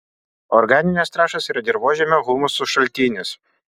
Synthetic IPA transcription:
ɔɾɡɑːnʲɪnʲɛst̪ɾɑːʃɐsiːɾɐd̪ʲɪɾboːʒʲɛmʲɛɣuːmʊsʊʃɐlʲt̪ʲiːnʲɪs

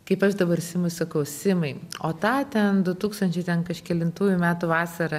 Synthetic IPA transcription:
kɐɪpɐʃd̪ɐbɐɾsʲɪmʊsɐkɐʊsʲɪmɐɪoːt̪ɑːt̪ʲɛnd̪ʊt̪uːkst̪ɐnʲt͡ʃʲɛɪt̪ʲɛnkɐʃkʲɛlʲɪnt̪uːjʊmʲæːt̪uʋɑːsɐɾɐ

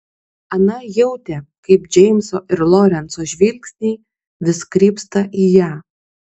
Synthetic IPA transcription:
ɐnɐjɛʊt̪ʲɛkɐɪpd͡ʒʲɛɪmʲsoːʔɪɾlˠɔːɾʲɛnt̪soːʒʲʋʲilʲksʲnʲiː | ʋʲɪskɾʲiːpst̪ɐʔiːjæː

